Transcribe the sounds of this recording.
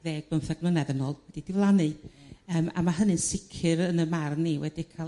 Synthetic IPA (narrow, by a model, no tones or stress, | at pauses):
ðeːɡ̥̚bəmθaɡmlənɛðənɔlˠwɛd̥idɪvlˠanɨəːma̰maɦənɨnsɪkʰɨɾənəmarniwɛdikʰa